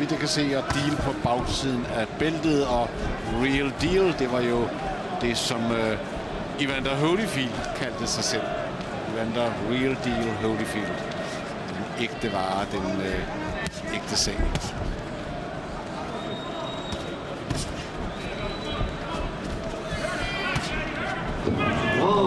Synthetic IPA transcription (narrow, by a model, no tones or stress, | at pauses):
id̥ekʰæse̝̰ːɒd̥iːləpʰɒ̽b̥ɑ̈ʊsið̰ˠn̩æb̥eld̥ð̞̩ˠɒ̽ʁild̥iːld̥e̝ʋɑ̈jo̝ | d̥e̝sɒ̽m | iʋænd̥ɐɦoʊlifild̥kʰæld̥əsɑ̈ɪsel̰ | iʋænd̥ɐʁild̥ilɦoʊlifild̥ | d̥eneɡ̥̚d̥əʋɑ̈ːd̥en | eɡ̥̚d̥əsɛ̰ː